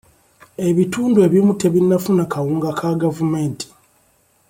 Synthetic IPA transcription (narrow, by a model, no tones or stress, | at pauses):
e̞βituːndue̞βjimute̞βinːafunakawuːŋɡakʰaɡavumeːnti̥